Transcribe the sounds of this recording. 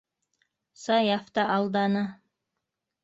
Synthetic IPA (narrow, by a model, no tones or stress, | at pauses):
sɑjɑft̪ɑʔɑlˠd̪ɑnɑ